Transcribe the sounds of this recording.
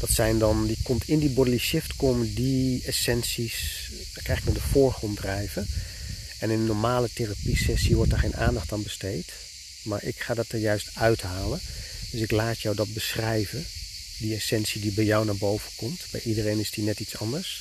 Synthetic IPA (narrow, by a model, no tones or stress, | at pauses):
d̥ɑtsɛjndɑndikɔmtʰɪndibɔdəliʃɪftkoːmədiesɛnsis | dkrɛjxɪknɔdəfʊːɹχrɔndrɛjvə | ɛnɪnənɔɹmaːləterapisɛsiʋɔɹt̚daɹχejnʔa̰ːndɑχtaːnbəstejt | maːɹʔɪ̰kχaːdɑt̚əɹjœɥstœɥtɦaːlənd̥ɵsɪklaːtjɔwdɑt̚bəsrɛjvə | diesɛnsidibɛjjɔwnaːɹbowvənkɔmtbɛ̰jʔidərejnɪsdinɛtitsɑndəɹs